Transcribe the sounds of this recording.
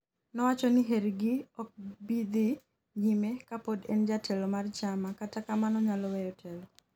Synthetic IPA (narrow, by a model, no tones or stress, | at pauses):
nɔwat͡ʃɔnɪɦeɾɡɪɔk̚bid̪i | ɲimekapodend͡ʒatʰɛlɔmart͡ʃamakatakamanɔɲalɔwɛjɔtʰɛlɔ